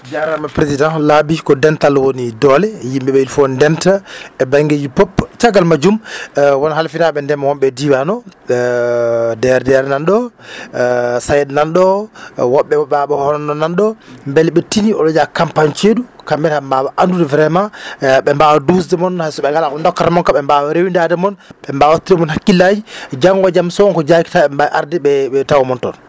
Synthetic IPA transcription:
d͡ʒaɾamapɾesidãlabikɔdɛntalwonidɔlɛjimɓɛɓɛilfɔndɛntaɛbaŋɡed͡ʒipopt͡ʃaɡalmad͡ʒumwanahalfinaɓɛndɛmawɔmɓɛdiwanɔ | dɛɾɛdɛɾɛnanɗɔ | sajɛdnanɗɔwɔɓːɛwɔɓaɓɛhhɔnɔnːɔnanɗɔmbɛlɓɛtiniɔɗɔd͡ʒakampaɲt͡ʃeɗukamːɛnhambawaʔandudɛvɾɛmaɓɛmbawadus̬dɛmɔnhasɔɓɛɡalakɔɛndɔkːatɛmɔnkaɓɛmbawaɾewindadɛmɔnɓɛmbawatːiɾɛmɔnhakːilːad͡ʒid͡ʒaŋɡɔd͡ʒamsɔwɔnkɔd͡ʒaki̥taɛmbaʔaɾdɛɓɛɛtawɔmɔntɔn

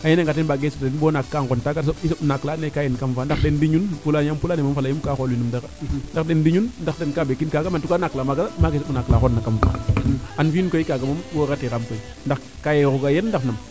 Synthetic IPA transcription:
ajeneŋɡatenbaɡesoenbonakːaŋontaɡasoisnaklanekajenkamfandakdendiɲunpulajampulanemafalajumkaxolinumdakandakdendiɲundakdenkabekinkaɡamantukanaklamaɡaamaɡesoɓunaklaxonːakamfa̰anfikoikaɡamambokatikamkoi | nda | kajeɣuɡajendaknam

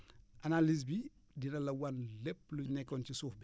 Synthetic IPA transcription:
ʔanaliz̬bi | dinɐlɐwanlɛpːlunɛkːɔncisuːfb

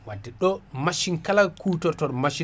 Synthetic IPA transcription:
wadːɛɗɔmaʃinkalakutɔɾtɔɾmaʃi

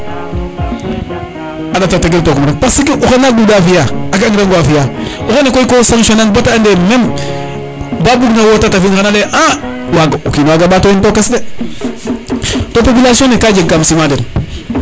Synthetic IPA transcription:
adatataɡeltokuɾakpasikeʔuxanak̚dudafijaakaŋɾaŋɡwafijauxanekoikosaŋʃonan̚botaandemem | babuɡnawotatafinkanaleʔa | waɡaukinwaɡabaːtointokesde | topopilasionekaːd͡ʒeŋkamsimaden

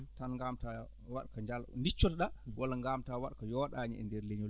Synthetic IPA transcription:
tanŋɡamta | wa̰ɗkaɲd͡ʒalndit͡ʃːɔtɗawalːaŋɡamtawaɗkajɔɗaɲiɛ̰ndɛɾleɲɔ

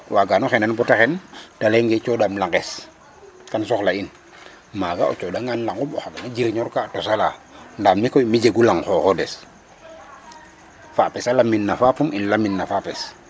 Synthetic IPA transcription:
waɡanɔxɛnanbɔtaxɛntaleŋɡɛt͡ʃɔdamlaŋɡɛs | kansɔxlain | maɡaɔ̰t͡ʃɔdaŋɡanlaŋɡumɔxakanad͡ʒiɾɲɔɾkatɔsalandamːikɔjmid͡ʒeɡulaŋxɔxɔdɛs | fapɛsalamːinːafapuminlaminːafapɛs

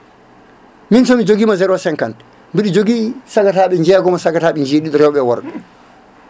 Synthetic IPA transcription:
minsɔmid͡ʒoɡiːmazɛɾɔsɛŋkan | mbiɗid͡ʒoɡisaɡataɓɛɲd͡ʒɛːɡɔmasaɡataːɓɛɲd͡ʒeːɗiɗɔɾɛwɓɛwɔɾɗɛ

